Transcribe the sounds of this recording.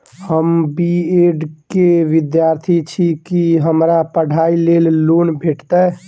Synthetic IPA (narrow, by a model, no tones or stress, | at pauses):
həmbieɖkeʋid̪jaɾt̪ʰit͡ʃʰikiɦəmɾapəɽ̤ʱailellonbʱeʈt̪ə